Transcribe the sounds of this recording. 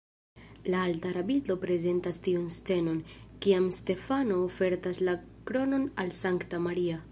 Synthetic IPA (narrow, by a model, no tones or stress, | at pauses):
laaltaɾabito̞pɾe̞ze̞ntastiunst͡se̞no̞nkiamste̞fano̞ːfe̞ɾtasla | kɾo̞no̞nalsaŋktamaɾia